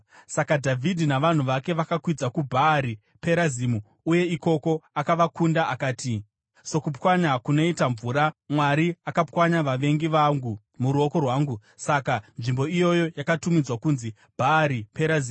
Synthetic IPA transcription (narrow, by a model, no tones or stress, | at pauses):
sakadʱavʱidʱinaʋan̤uʋake̞ʋakakwid͡zakubʱaːɾi | pe̞ɾazimu | uje̞iko̞ko̞akaʋakundaʔakaːti | so̞kupwaɲakuno̞itaɱvuːɾamwaɾiakapwaɲaʋaʋe̞ŋɡiʋaŋɡu | muɾuo̞ko̞rwaːŋɡu | sakanʐimbo̞ijo̞jo̞jakatumid͡zwakuːnzi | b̥ʱaːɾipeɾaziː